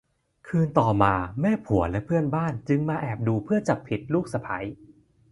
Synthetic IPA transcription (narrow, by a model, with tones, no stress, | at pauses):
kʰɯː˧nt̪ɔː˨˩maː˧mɛː˥˩pʰu˩˦ɐlɛ˦˥pʰɯ˥˩ənbaː˥˩nt͡ɕɯ˧ŋmaː˧ʔɛː˨˩p̚duː˧pʰɯ˥˩ɐt͡ɕa˨˩pʰi˨˩t̪̚luː˥˩k̚sa˧pʰa˩˦j